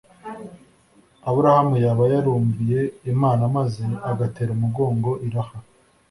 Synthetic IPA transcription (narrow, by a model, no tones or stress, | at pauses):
aβuɾahamujaβajaɾuːɱbije̞ːmaːnamazeaɡateːɾumuɡo̞ːŋɡo̞ʔiɾaha